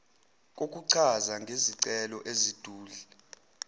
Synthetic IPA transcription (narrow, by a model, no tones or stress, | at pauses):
k̬ʼok̬ʼuǀʰazaŋɡʱeziǀɛlɔʔezid̥ʱuːli